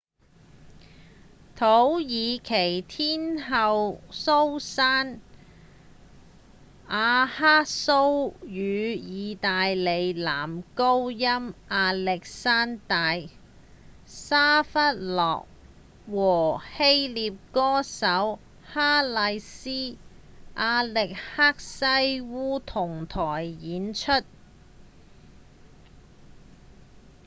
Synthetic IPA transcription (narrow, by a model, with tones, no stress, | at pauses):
t̪ʰo˨˥wjiː˨˧kʰe˨˩jt̪ʰiː˥nɦɐ˨˧wso˥wsaː˥n | ʔaː˨˧haː˥so˥wjyː˨˧jiː˨˧t̪aː˨jle˨˧jla̰ː˨˩mko˥wjɐ˥mʔaː˧lɛ˨k̚saː˥nt̪aː˨˧j | saː˥fɐ˥t̚lɔ̰ː˨k̚ | wɔː˨˩he˥jliː˨˧p̚kɔː˥sɐ˨˥w | haː˥lɐ˧jsiː˥ | ʔaː˧lɪ˨k̚haː˥k̚sɐ˥jwuː˥t̪ʰʊ˨˩ŋt̪ʰɔː˨˩jjiː˨˥nt͡ʃʰɵ˥t̚